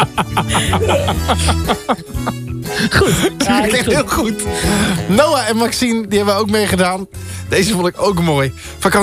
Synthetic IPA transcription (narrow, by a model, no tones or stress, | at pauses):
ɛkɪɪːlˠχut | nowaɛnmaksindihɛbəʋəjowkmeːχədaːnd̥ezəfʊnˠdɪkowkmoːj | fakɑ